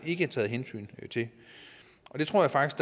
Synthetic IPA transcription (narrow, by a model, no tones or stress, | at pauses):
e̝ɡ̥əæt͡sʰɛ̰ːð̩ˠɦensy̰ːnt͡sʰe̝ | ʔɒ̽d̥e̝t͡sʰʁo̝ɐ̰jɑ̈fɑ̈ɡ̥isɡ̥d̥